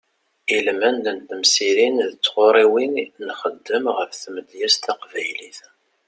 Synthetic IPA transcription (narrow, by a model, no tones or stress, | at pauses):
ilmænd̪ənt̪əmsiɾinðət͡sːʁoɾˤiwinnχəd̪ːəmʁəɾθməd̪jæst̪ɑqvæjliθ